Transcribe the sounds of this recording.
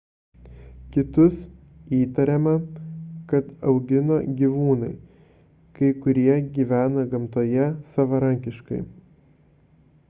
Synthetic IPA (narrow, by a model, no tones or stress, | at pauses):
kʲɪt̪ʊs | iːt̪ɐɾʲɛmɐkɐt̪ɐʊɡʲɪnoːɡʲiʋuːnɐɪ | kɐɪkʊɾʲiɛɡʲiːʋʲæːnɐɡɐmt̪oːjɛsɐʋɐɾɐŋʲkʲɪʃkɐ̰ɪ